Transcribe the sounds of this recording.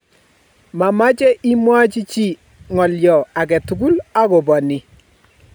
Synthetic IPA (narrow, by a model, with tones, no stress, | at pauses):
ma˨ma˦t͡ʃɛ˦ʔi˦mwa˦t͡ʃi˦t͡ʃi˦˨ | ŋɔ˨ljɔ˨a˨kɛ˨tu˨ku˦la˦kɔ˨bɔ˨nɪ˨